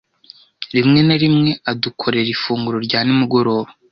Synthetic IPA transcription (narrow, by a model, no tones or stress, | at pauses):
ɾimŋe̞naɾimŋe̞adukʰo̞ɾe̞ɾifuːŋɡuɾo̞ɾɟaːnimuɡo̞ɾo̞ːβo